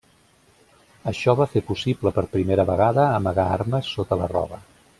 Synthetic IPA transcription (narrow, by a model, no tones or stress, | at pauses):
əʃɔβafepusibləpəɾpɾimeɾəβəɣaðəːməɣaaɾməsːot̪ələrɔ̰βə